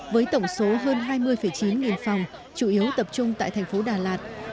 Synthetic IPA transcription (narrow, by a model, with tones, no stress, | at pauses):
vəː˨˦jt̪ə˧˩wŋ͡mso˨˦ɦəː˧nɦaː˧jmɨ˧əjfəː˧˩jt͡ɕi˨˦nŋi˨˩nfa˨˩wŋ͡m | t͡ɕu˧˩ʔi˨˦əwt̪ə˨˩p̚t͡ɕʊ˧ŋ͡mt̪a̰ː˧˨jt̪ʰɛ˨˩jŋ̟fo˨˦ɗaː˨˩laː˨˩t̚